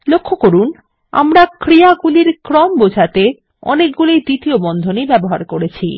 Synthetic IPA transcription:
lokʰːokoɾun | a̰mɾakɾiaɡuliɾkɾɔmbod͡ʑʱat̪e | ɔ̰nek̚ɡulijd̪it̪iobɔnd̪ʱonebɛboɦa̰ɾkoɾet͡ɕʰḭ

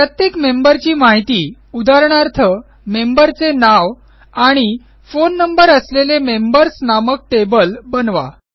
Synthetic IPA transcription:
pɾət̪jekmembəɾt͡ɕiːmaɦit̪iː | ud̪aɾɳ̃aɾt̪ʰə | membəɾt͡senaʋ | aɽ̃i | fonːəmbəɾəslelemembəɾsnamək̚ʈebəlbənʋa̰

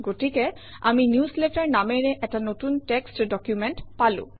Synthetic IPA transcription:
ɡotikɛ | a̰minjuslɛtaɹnamɛɹɛʔɛtanotuntɛkstdɔkjumɛntpalʊ̰̃

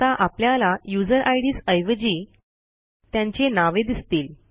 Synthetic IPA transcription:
aʔapljalajud͡zəɾʔajɽiːsəjʋəd͡ʑiː | t̪jãɲt͡ɕenaʋed̪ist̪iːl

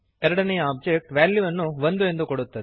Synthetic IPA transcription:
ɛɾɐɽɐnɐjɐaːb̚d͡ʒek̚ʈʋaːljuʋɐnːũʋɐnd̪ɯɛnd̪ɯkɔɽɯt̪ːɐð

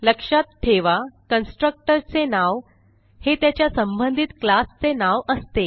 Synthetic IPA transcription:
ləkʂat̪̚ʈʰeʋakənsʈɾək̚ʈəɾt͡senaʋ | het̪jat͡ɕjasəmbənd̪ʱit̪klast͡senaʋəst̪e

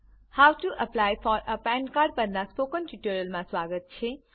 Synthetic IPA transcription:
hawʈuʔəplajfɔɾəpɛ̃nkaɾɖ̚pənːaspokənʈiʈoɾjəlmãswaɡət̪̚t͡ʃʰe

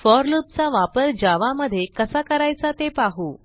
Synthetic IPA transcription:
fɔɾlup̚t͡saʋapəɾd͡ʑaʋaməd̪ʱːjekəsakəɾajt͡sat̪epaɦu

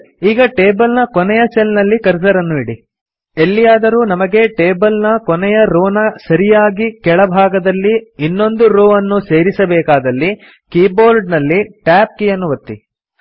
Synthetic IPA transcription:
iːɡɐʈe̞ːbɐlnɐkɔnɛjɐselnɐlːikɐɾsɐɾɐnːuiɽi | elːijaːd̪ɐɾuːnɐmɐɡe̞ʈeːbɐlnɐkɔnɛjɐɾoːnɐsɐɾijaːɡikɛɭɐbʱaːɡɐd̪ɐlːiinːo̞nd̪uɾoːɐnːuse̞ːɾisɐbɛːkaːd̪ɐlːi | kiːboːɾɖnɐlːiʈaːp̚kijɐnːuʋɐt̪ːḭ

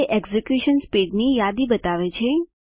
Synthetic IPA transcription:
ʔɛɡzekjuʃənspiɖnijad̪ibət̪aʋet͡ʃʰe

